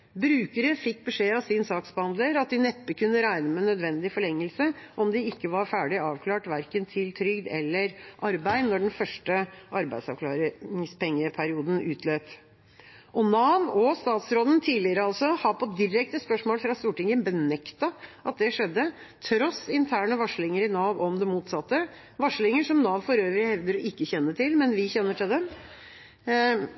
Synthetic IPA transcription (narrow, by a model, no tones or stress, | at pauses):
bɾʉːkəɾəfɪkːbəʂeːɑʋsɪnsɑːksbəhɑnd̪ləɾɑt̪̚d̪ɪnɛpːəkʰʉnːəɾæɪnəmɛnːœd̪ʋɛnd̪ɪfɔɭɛŋːəlsəʔɔmd̪ɪɪkːəʋɑɾfæːɖɪɑːʋkʰlɑːʈʋæɾkənt̪ʰɪlt̪ʰɾʏɡd̪ɛ̰lːəɾʔɑɾbæɪd̪nɔɖɛn̩fœʂʈəʔɑɾbæ̰ɪsɑʋkʰlɑ̰ːɾɪŋspʰɛŋːəpʰæɾɪuːd̪n̩ʉːt̪ʰløːp | ʔɔnɑːʋɔst̪ɑːt̪sɾoːd̪ənt̪ʰiːlɪəɾəɑlsɔhɑpʰɔd̪ɪɾɛk̚t̪əspœʂmoːlfɾɑːst̪uːʈɪŋənbənɛkt̪ɑʔɑt̪̚d̪ɛʂɛd̪ːə | t̪ʰɾɔsɪnt̪ʰæːɳəʋɑʂlɪŋəɾɪnɑːʋɔmd̪ɛmuːt̪sɑt̪ːə | ʋɑʂlɪŋəʂɔmnɑːʋfɔɾøːʋəɾɪhɛʋd̪əɾɔʔɪkːəçɛnːəʈɪlmɛnʋɪçɛnːəʈʰɪld̪ɛm